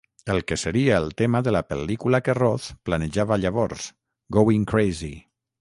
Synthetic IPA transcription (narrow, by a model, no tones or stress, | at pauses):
əlˠkəsəɾiaəlˠt̪emaðəlapə̰likulakerɔθplanəʒaβaːʎaβɔɾz | ɡowiŋkɾejzi